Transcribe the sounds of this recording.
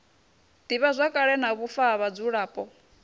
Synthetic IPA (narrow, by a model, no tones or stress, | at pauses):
d̥iβazʷakʼaɺɛnaβufaβad͡zuɺaːpʼɔ